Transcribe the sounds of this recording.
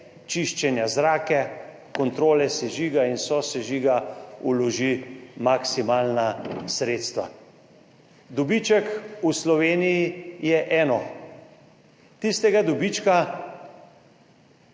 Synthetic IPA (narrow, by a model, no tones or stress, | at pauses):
t͡ʃiʃt͡ʃɛnjazɾaːkɛ | kɔnt̪ɾoːlɛsɛʒiːɡainsɔsɛʒiːɡaulɔʒimaksimaːlnasɾeːt̪st̪ʋa̰ | d̪ɔbit͡ʃɛkuslɔʋeːnijijɛʔɛːnɔ | t̪ist̪ɛɡad̪ɔbit͡ʃka